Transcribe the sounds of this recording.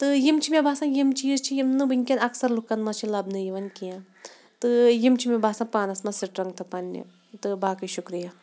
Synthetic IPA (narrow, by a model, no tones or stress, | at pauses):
t̪ɨjimt͡ʃʰimʲẽbʱaːsãːjimt͡ʃiːɾt͡ʃʰijimnɨbɨnʲkʲɐnɐksɐɾlukːɐnmɐt͡ʃʰilɐbnɨjiʋɐnkijã | t̪ɨjimt͡ʃʰimʲẽbʱaːsãːpaːnɐsmɐsiʈɾɐŋɡt̪ʰɐpɐnːḭ | t̪ɨbaːkɨʃukɾija